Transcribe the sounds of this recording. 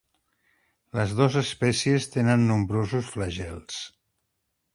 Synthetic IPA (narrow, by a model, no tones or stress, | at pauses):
ləzðozəspɛsiest̪enənːumbɾozusfləʒɛlˠs